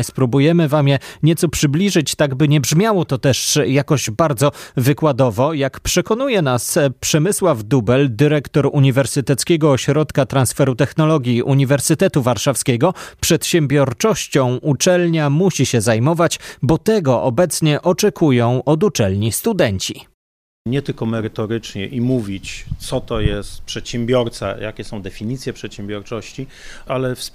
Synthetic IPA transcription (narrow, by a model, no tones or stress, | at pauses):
spɾubujɛmɘvamjɛɲɛt̪sɔpʂɘblʲiʐɘt͡ɕt̪aɡbɘɲɛbʐmʲjawɔt̪ɔt̪ɛʂjakɔʑbaɾd̪zɔvɘkwad̪ɔvɔjakpʂɛkɔn̪ujɛnaspʂɛmɘswavd̪ubɛld̪ɘɾɛkt̪ɔɾuɲivɛɾsɘt̪ɛt̪skʲɛɡɔːɕɾɔt̪kat̪ɾansfɛɾut̪ɛxnɔlɔɡʲjiʔuɲivɛɾsɘt̪ɛt̪uvaɾʂafskʲɛɡɔpʂɛt̪ɕɛmbʲjɔɾt͡ʂɔɕt͡ɕɔ̃w̃ʔut͡ʂɛlɲamuɕiɕɛzajmɔvat͡ɕbɔt̪ɛɡɔʔɔbɛt̪sɲɛʔɔt͡ʂɛkʰujɔ̃w̃ʔɔd̪ut͡ʂɛlɲist̪ud̪ɛɲt͡ɕḭ | ɲɛt̪ɘlkɔmɛɾɘt̪ɔɾɘt͡ʂɲɛ̰ʔimuvʲit͡ɕt̪sɔt̪ɔjɛst̪pʂɛt̪ɕɛmbʲjɔɾt̪sa̰jakʲɛsɔ̃w̃d̪ɛfʲiɲit̪sʲjɛpʂɛt̪ɕɛ̃mbʲjɔɾt͡ʂɔɕt͡ɕialɛfs